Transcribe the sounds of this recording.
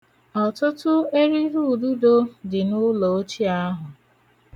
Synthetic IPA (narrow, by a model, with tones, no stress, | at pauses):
ɔ˨tʊ˦tʊ˦e˦ɾi˦ɦu˦˨du˦do˦dɪ˨nʊ˦lo˨o˦t͡ʃi˦a˦ɦʊ˨